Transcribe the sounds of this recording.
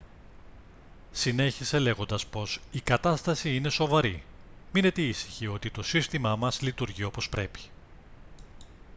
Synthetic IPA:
sine̞çise̞le̞ɣo̞nd̪ɐspo̞sikɐt̪ɐst̪ɐsiine̞so̞vɐɾi | mine̞t̪eisi̥çio̞t̪it̪o̞sist̪imɐmɐzlit̪uɾʝio̞po̞spɾe̞pi̥

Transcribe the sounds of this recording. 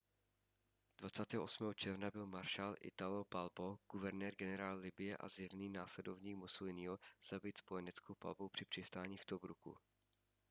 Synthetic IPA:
d̥vat͡saːt̪ɛːɦoʔo̞smɛːɦot͡ʃɛɾvnabɪlmaɾʃaːlʔɪ̰t̪alopalboɡ̥uvɛɾnɛːɾɡɛnɛɾaːlːɪbɪjɛʔa̰zɪɾniːnaːslɛdo̞vɲiːkmusulɪnɪɦoz̥abɪt̪spo̞jɛnɛt͡skowpa̰lbowpr̝̥ɪpr̝̥ɪst̪aːɲiːft̪obɾukṵ

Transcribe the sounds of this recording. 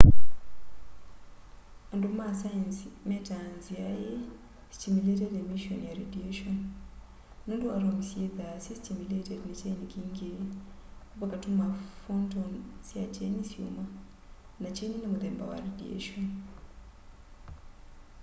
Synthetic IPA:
andumasajansimetanzijaje | stimuletedemiʃonjaɾedieʃon | nunduaɾomisieðasestimuletedinet͡ʃainikiːŋɡe | βakatumafontonsiat͡ʃenisṵma | nat͡ʃeninemuðeːmba̰wa̰ɾediḛʃon

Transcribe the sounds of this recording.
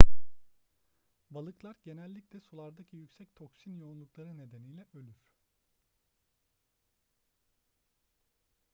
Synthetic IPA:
balˠɯklˠaɾɟe̞nɛlʲːiclʲɛsulˠaɾd̪acʰijycsɛc̚t̪ʰo̞ksinjounlˠuklˠaɾɯne̞d̪e̞nijlʲɛølʲyɾ̥

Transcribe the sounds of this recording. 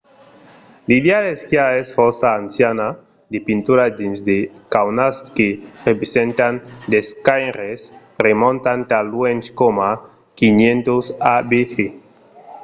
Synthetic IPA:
lideaðeskjaesfɔɾsaːnsjana | d̪epint̪uɾad̪inzd̪ekawnaskerepɾesent̪and̪eskajɾes | remõnt̪ant̪alwent͡ʃkoma | kinjẽnt̪osabeθe

